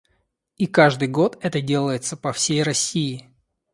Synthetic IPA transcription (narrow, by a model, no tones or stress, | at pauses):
ikaʐd̪ɨjɡo̞t̪ɛt̪ədʲe̞lˠəjɪt̪səpɐfsʲejrɐsʲiɪ